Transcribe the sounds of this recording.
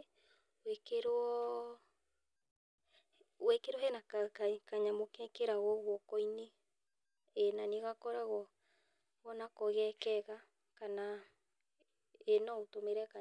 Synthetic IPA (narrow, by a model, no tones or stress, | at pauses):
wekeɾɔɔ | wekeɾɔɦɛnakkaɲamokɛkeɾaɣɔɣwɔkɔine | enaneɣakɔɾaɣɔ | ɣɔnakoɣɛkɛɣa | kana | enaotomeɾɛka